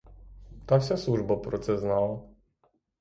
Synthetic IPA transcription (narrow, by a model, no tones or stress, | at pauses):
t̪aksɛswuʐbɔpɾɔt̪sɛznawɔ